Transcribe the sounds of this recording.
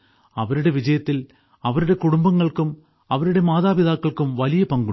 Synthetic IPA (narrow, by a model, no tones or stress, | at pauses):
ɐʋɐɾɪɽɐʋɪd͡ʒɐjɐt̪ːɪl | ɐʋɐɾɯɽɐkʊɽʊmbɐŋɡɐɭɯkːɯm | ɐʋɐɾɯɽɐmaːðaːʋɪðaːkːɐɭɯkːɯmʋɐlɪjɐpɐŋɡɯ